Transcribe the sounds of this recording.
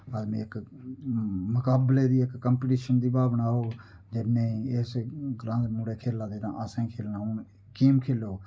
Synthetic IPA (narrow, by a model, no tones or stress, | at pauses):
əd̪mẽːɪk | mʊkaːbleːd̪iːɪkːəmpːʈiːʃənd̪iːbaːbnaːɦoː | d͡ʒɪnẽːesɡɾãːd̪muːɽeːkʰeːlaːd̪eːɾãːʔəsẽːkʰeːlnaːʊn | kiːmkʰeːloː